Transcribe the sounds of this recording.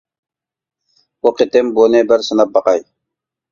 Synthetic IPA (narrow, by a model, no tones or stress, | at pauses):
uqet̪ɪmbonɪbɪɾsɨnɑp̚bɑqɑj